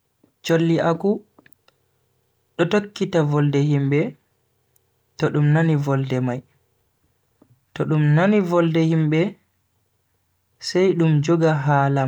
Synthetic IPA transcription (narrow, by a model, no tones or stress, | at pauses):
t͡ʃolːiʔaku | ɗɔtokːitavɔldɛhimbɛ | tɔɗumnanivɔldɛmaj | tɔɗumnanivɔldɛhimbɛ | sɛjɗumd͡ʒɔɡaɦaːlam